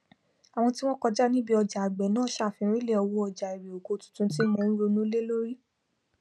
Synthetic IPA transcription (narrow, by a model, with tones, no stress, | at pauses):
a˨w̃ɔ̃˧ti˦w̃ɔ̃˦kɔ˧d͡ʒa˦nĩ˦bi˦ɔ˧d͡ʒa˨a˨ɡ͡bɛ˨˦nãː˦ʃa˦˨fĩ˧˦ɾ̃ĩ˦le˦˨ɔ˧wo˦ɔ˧d͡ʒa˨i˨ɾi˨o˨ɡo˨˦tũ̥˨˦tũ˧ti˦mɔ̃˧˦ɾo˧nũ˦le˦lo˦ɾi˦